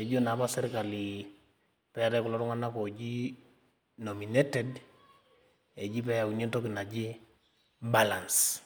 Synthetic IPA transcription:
e˨d͡ʒo˦na˨˦pa˦sɛ˦ɾka˨li | pɛ˦ɾɛ˦ku˨lɔ˦ɾu˦ŋa˦na˦ko˨d͡ʒi˦ | no˨mi˨ne˦tɛd | e˨d͡ʒi˦pɛ˦ja˨u˨ɲe˦nto˦ki˨na˨d͡ʒi˦ | ba˦la˨ns

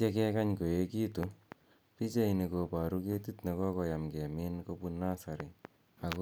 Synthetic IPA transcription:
e˦kɛ˦ka˦ɲko˨e˦ki˦tu˨ | pi˦t͡ʃa˦ini˨ko˨pa˨ɾu˦ke˦ti˦tne˨kɔ˦kɔ˨ja˨mkɛ˨mi˦nko˦pu˦na˦sa˨ɾi˨ | a˨ko˦

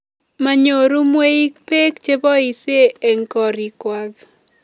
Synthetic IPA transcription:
ma˨ɲo˨ɾu˦mwe˦i˦k̚pe˦kt͡ʃe˦bɔ˦i˨se˦ɛ˨ŋkɔ˨ɾi˨kwa˨ɡ

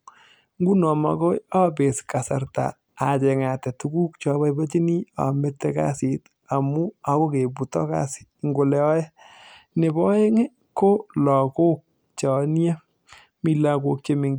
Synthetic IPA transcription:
ŋɡu˦nɔ˨ma̰˨ko˦ja˦be˨ska˨sa˨ɾta̰ː˨ | t͡ʃɛ˨ŋa˨tɛ˨tu˦ɡu˦k̚t͡ʃɔ˨˦βa˦i˦ba˦t͡ʃi˦ni˦a̰˨mɪ˦tːɛ˦ka̰˦sit | a˨mu˦a˦ko˦ke˨bu˨tɔ˦ka̰˦sɪ̥ŋɡo˨lɛ˦ɔ˦jɛ˦ne˨bɔ˦je˦ŋe˦ | ko˦lɔ˨ko˦k̚ | t͡ʃɔ˨n˦a˦ | mi˨la˦ko˧k̚t͡ʃe˦mɪ˨ŋ

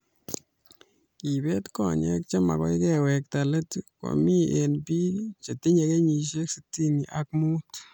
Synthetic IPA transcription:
i˨be˦t̪ko˨ɲḛ˦k̚t͡ʃe˦ma̰˨ɡo̰˦jɡe˦˧we˨k̚t̪a˨le˦t̪ko̰˨mi˦e˨nbi˦t͡ʃe˨t̪i˦ɲa˧ɡe˦ɲi˧ʃe˦kse˧t̪i˦ni˨ʔa˦kmu˦t̪

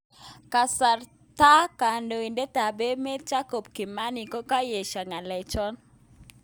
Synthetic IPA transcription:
ka˨sa˨r | ta˦ka˨ndo˨i˨nde˦ta˨be˦me˦t͡ʃa˦ko˨bki˨ma˦ni˨ko˦ka˦je˨ʃa˨ŋa˨lɛ˨t͡ʃɔ˦n

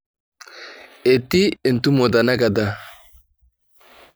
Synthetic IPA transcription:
e˨t̪ːi˦ɪ˨nt̪u˦mo˨d̪a˨na˦ɡa˨d̪a˦

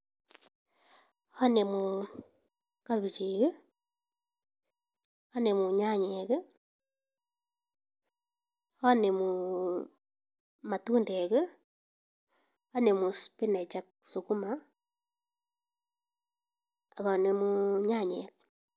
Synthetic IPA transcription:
ha˦ne˨mu | ka˦βi˨t͡ʃiɣe˦ | a˦ne˨mu˨ɲa˦ɲeɣe˦ | a˦ne˨mu | ma˨tuː˦nde˨ɣe˦ | a˦ne˨mu˨spi˦ne˨t͡ʃa˦ksuku˦ma˨ | βa˨ne˨muɲa˦ɲḛ˨ɣ

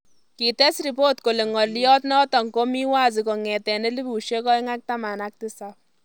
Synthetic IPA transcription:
ki˨t̪ɛ˦sɾi˨poː˦t̪ko˨le˨ŋɔ˨ɾli˦jɔ˦t̪nɔ˦t̪ɔ˨ŋko˦mi˦wa˦zi˨kɔ˨ŋɛ˨t̪ɛ˨ne˦li˦bʱu˨ʃe˦kɔ˦jŋa˦k̚t̪ama˨nak̚t̪isap

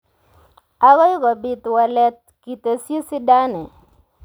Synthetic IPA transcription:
a˦ɣɔ˦ɪ˦ɡɔ˨bi˨t̪wa˨lɛ˦t̪̚ki˨t̪e˨sje˦sɪ˦da˦nɛ˨

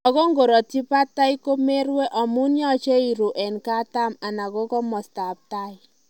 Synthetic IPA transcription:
ɔ˨ko˦ŋɡo˨ɾɔ˨ti˦pa˦ta˦i˦ko˦me˦ɾwe˦ʔɔ˨mu˦njɔ˦t͡ʃe˦i˨ɾu˨ʔɛ˨nka˦ta˦ma˨na˨ko˦kɔ˦mɔ˨sta˨p̚ta˦˨ɪ˨

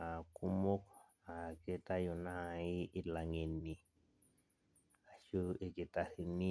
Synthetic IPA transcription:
a˨ku˦mo˦k | a˨ke˦t̪a˦ju˨na˦i˦ʔːla˨ŋe˨nːi˨ | a˨ʃu˦e˨ke˨t̪a˦hi˨ni˦

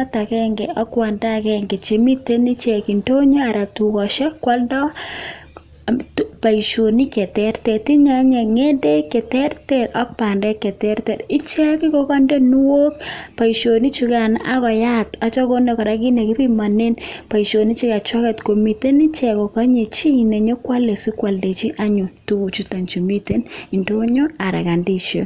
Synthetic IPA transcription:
a˦ta˨kɛ˦ŋɡɛ˨ɔ˦kwa˨nda˦kɛ˦ŋɡe˨t͡ʃe˨mi˦te˦ni˦t͡ʃɛ˨ki˨nto˦ɲɔ˦a˨ɾa˨tu˨kɔ˨ʃɛ˦kːwa˦ldɔ˦ | pa˨i˨ʃo˨ni˦kɛ˨tɛ˦ɾtɛ˨ti˦ɲa˨ɲɛ˨ŋe˦de˦kɛ˨tɛ˦rtɛ˦ɾɔ˦k̚pa˨ndɛ˦kːɛ˨tɛ˦ɾtɛ˨ɾi˦t͡ʃɛ˦ki˦ko˦kɔ˦nde˦nu˦wo˦kpa˨i˨ʃo˨ni˦t͡ʃu˦ka˨nʔa˦kɔ˨ja˦tɔ˦t͡ʃɔ˦ko˦nde˨kɔ˨ɾa˦ki˦ne˨ki˦pi˦ma˨ne˦npa˨i˨ʃo˨ni˦t͡ʃi˦ka˨t͡ʃwɔ˦kɛ˨tko˨mi˨te˦ni˦t͡ʃɛ˨ko˨kɔ˦ɲe˨t͡ʃi˦ne˨ɲo˦kwa˦le˨si˦kwa˨lde˨t͡ʃi˦ʔa˦ɲu˨tu˦u˨t͡ʃu˨˦ta˨nt͡ʃu˨mi˦te˦ni˨ndo˦ɲo˦a˨ɾa̰˨ka˨ndi˦ʃjo˨

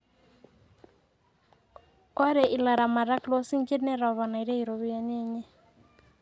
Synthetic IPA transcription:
a˦ɾɛ˨ʔi˨la˨ɾa˨ma˨ɾa˦klɔ˦si˦ŋ˦t͡ʃe˦dnɛ˦ɾa˨βa˨na˨i˨ɾe˦i˨ɾo˨βi˦a˦ɲe˦ɲɛ˦

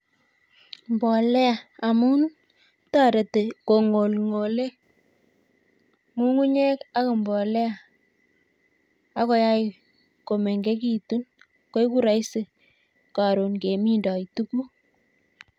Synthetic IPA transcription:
mbɔ˨lɛ˦a˨a˨mu˦n | ta˦ɾe˨te˨ko˨ŋo˨lŋo˨le˦ | mu˦ŋu˦ɲɛ˦ka˦ko˨mbɔ˨lɛ˦a˨ | a˦ko˦ja˦j | ko˨me˨ŋɡe˦k̬i˨tu˦n | ko˦jku˦ɾa˨˦jse˨ | ka˨ɾu˨nke˨mi˦ndɔ˨i˨tu˦ku˦

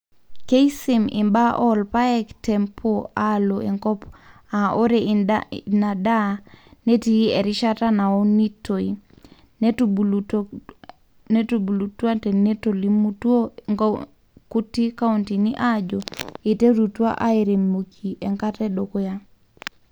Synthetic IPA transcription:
ke˦isi˨mḭ˨mba˦ʔɔlpa˦ɛktɛmpʰoaloʔe˨ŋkɔ˦p | a˨ʔo˦ɾe | na˨da˦ne˦ti˨e˨ɾi˦ʃa˦ta˦na˨o˦ni˦toi | ne˦tu˨bu˨lu˨twa˦tɛne˦to˨limu˦to˦ŋ | ku˦ti˦ka˦untini˦ʔad͡ʒoe˨te˦ɾu˨twa̰˦ʔa˦e˨ɾe˨mo˨kʰi˨ʔɛ˨ŋkatɛɗo˨ko˦ja˦

